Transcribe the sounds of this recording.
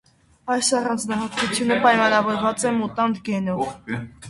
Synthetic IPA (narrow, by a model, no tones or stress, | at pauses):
ɑjsɑrɑnd͡znɑɦɑt̪kut͡sʰjunəpɑjmɑnɑvɔɾvɑt͡sɛmut̪ɑnd̪ɡɛnɔv